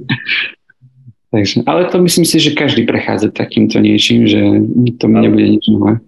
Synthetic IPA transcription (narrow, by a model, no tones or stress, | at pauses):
t̪aɡʒɛʔalɛt̪ɔmisliːmsiʒɛkaʒd̪iːpɾɛxa̰ːd͡zat̪akiːmt̪ʰɔɲɪɛt͡ʃiːmʒɛt̪ɔmiɲɛbuɟɛɲid͡ʒnɔlɛː